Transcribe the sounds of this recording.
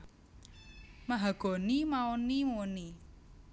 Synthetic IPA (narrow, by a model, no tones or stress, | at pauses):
maɦaɡ̥ɔ̤nimaonimuni